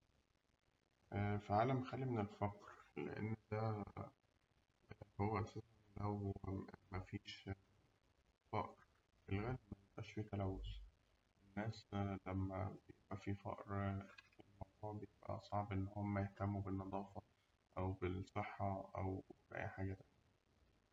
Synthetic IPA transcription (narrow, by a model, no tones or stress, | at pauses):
ʔæfiʕaːlæmxælːimenelfɑqɾlḛʔḛnːd̪æ | howːæʔæsæːs | lʔæwmæfiːʃ | fɑʔɾ | ʔelɣæːleb̚mæjeb̥ʔæʃfiːt̪ælæwːos | ʔenːæːslæmːæ̰bejeb̥ʔæfifɑ̰ʔɾelmɑwd̪ˤuːʕbejebʔæ̰sˤɑʕbʔenːhomːæjeht̪æmːubenːɑd̪ˤɑːfɑ | ʔæwbesˤeħːɑʔæ̰wɾæ̰ʕʔḭʕħaɡæt̪æ